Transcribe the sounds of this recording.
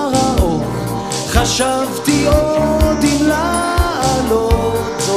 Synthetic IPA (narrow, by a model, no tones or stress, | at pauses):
ao | χaʃavt̪iod̪imla | alo